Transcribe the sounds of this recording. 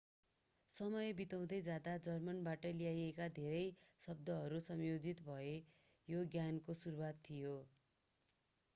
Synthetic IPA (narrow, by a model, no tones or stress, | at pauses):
sʌmʌjbit̪aw̃d̪ʌjd͡zjad̪ad͡zʌrmʌnbaʈʌlijajekad̪ʱeɾʌjsʌb̚d̪ʌɦʌɾusʌmjod͡zit̪bʱʌe | joɡjankosuɾuwat̪ʰːijo